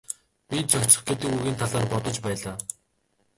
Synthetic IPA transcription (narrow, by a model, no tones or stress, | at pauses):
pʲit͡ɕʰɔkt͡ɕɪ̥̆χɡet̪ɘ̆kuɣiːnt̪ʰaɮaːrpɔt̪ɞ̆t͡ɕpæːɮaː